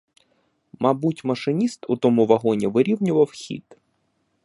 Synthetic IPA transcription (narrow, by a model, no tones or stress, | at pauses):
mɐbutʲmɐʃɪnʲist̪ʊt̪ɔmuʋɐɦɔnʲiʋɪɾʲiwnʲʊʋɐwxʲḭd̪